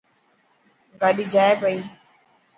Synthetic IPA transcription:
ɡaːɗiːd͡ʒaːebəiː

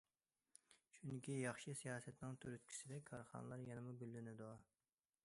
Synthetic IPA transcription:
ʃunɪkʲijɑχʃisijɑːsɛt̪nɪŋt̪ʰøɾyt̪̚kʲʰi̥sɪd̪ɛkʰɑɾχɑ̰nɨlˠɑɾjɛnɪmubylːynɪd̪u

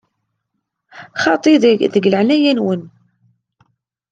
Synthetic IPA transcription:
χɑt̪ˤiððəɡləʕnæjænwən

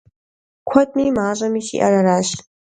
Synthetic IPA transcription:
kʷʰatʼmimaːʒʷamiʃḭʔa̰raɾaʃʼ

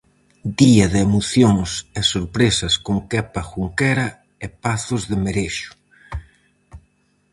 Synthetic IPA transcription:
d̪iɐðemoθjoŋsɪsoɾpɾesɐskoŋkɛpɐxuŋkɛɾɐ | epaθʊzðɪmeɾeʃʊ̥

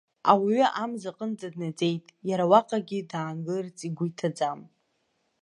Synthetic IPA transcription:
awiɥʏʔamzaqʼənd͡zadnad͡ze̞jtʼjaɾawaqʼaɡʲidaːŋɡɨrt͡sʼiɡʷʊjtʰad͡zam

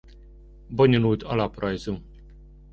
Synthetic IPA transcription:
boɲolult̪ɒlɒprɒjzu

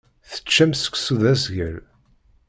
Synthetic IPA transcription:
θə̥t͡ʃːæmsə̥kʷsuðæzʝəɾ

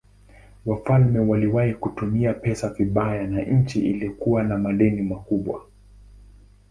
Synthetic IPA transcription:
wafalmɛwaliwahikutumiapɛsaviɓajanaɲ̩t͡ʃiʔiliɔkuwanamaɗɛnimakuɓwa̰

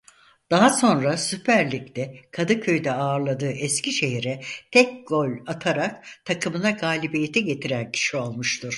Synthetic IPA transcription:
d̪̥aɦaso̞nɾasypʰæɾlʲict̪ɛkʰad̪ɯcʰøjd̪ɛaːɾlˠad̪ɯːʔɛsciʃe̞ɦiɾɛt̪ʰɛk̚ɡ̥o̞lʲat̪ʰaɾakt̪ʰakʰɯmɯnaɡaːlʲibijet̪ʰɛɟe̞t̪ʰiɾæncʰi̥ʃio̞lˠmɯʃt̪ʰɯɾ̥

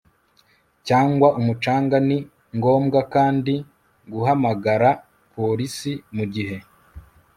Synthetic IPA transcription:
caːŋɡwaʔumut͡ʃaːŋɡani | ŋɡo̞ːmɡakaːndi | ɡuɦamaɡaɾa | pʰo̞ɾisimuɟiɦe̞

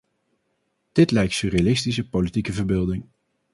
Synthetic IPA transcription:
d̥ɪtlɛjk̚tsyɾialɪstisəpolitikəvəɹbɪːlˠdɪŋ

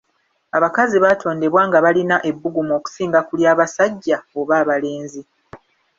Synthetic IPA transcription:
aβakaziβaːtʰo̞ːnde̞βwaːŋɡaβalinaʔe̞bːuɡumoːku̥siːŋɡakuljaːβasaɟːao̞βaːβale̞ːnzi

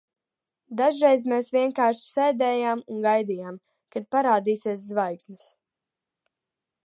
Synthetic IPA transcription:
d̪aʒɾejzmeːsviɛŋkaːɾʃi̥sɛːjd̪ɛːjaːmunɡajd̪iːjaːm | kad̪̚paɾaːd̪iːseɛszvajksnɨs

